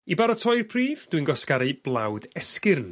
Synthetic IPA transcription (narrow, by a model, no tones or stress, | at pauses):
ibaɾɔtʰɔjrpʰriːvd̥winɡɔskaɾɨb̥lˠawdɛskɪrn